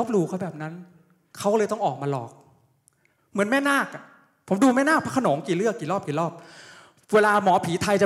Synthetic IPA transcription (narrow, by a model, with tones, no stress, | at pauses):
p̚luː˧kʰa˥˩bɛː˨˩p̚na˦˥n | kʰa˦˥wkɔ˥lɤː˧jt̪ɔ˥˩ŋʔɔː˨˩k̚maː˧lɔː˨˩k̚ | mɯ˩˦ənmɛː˥˩˨naː˥˩k̚a˨˩ | pʰo˩˦mduː˧mɛː˥˩naː˥˩kpʰa˦˥kʰa˧noɔː˨˩˦ŋkiː˨˩lɯ˥˩əkːiː˨˩lɔː˥˩p̚kiː˨˩˦lɔː˥˩p̚ | weː˧laː˧mɔ˩˦pʰiː˩˦t̪ʰa˧jt͡ɕa˨˩